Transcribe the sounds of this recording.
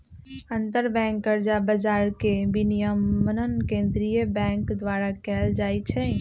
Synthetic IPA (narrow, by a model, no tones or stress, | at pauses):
ənt̪əɾbɛ̃ŋkːəɾd͡ʒabəd͡ʒaɾkebinijəmənənkẽnd̪ɾijəbɛ̃ŋkd̪ʋaɾakɛld͡ʒajt͡ʃʰɛ